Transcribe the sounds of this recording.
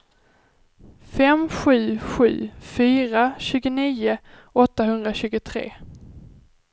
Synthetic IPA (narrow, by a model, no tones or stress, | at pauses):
fɛmɧʉ̟ːɧʉ̟̰ːfyːɾaɕʉ̟ːɡʊniːʊ | ɔt̪ːaɦɵnd̪ɾaɕʉ̟ːɡʊt̪ʰɾḛː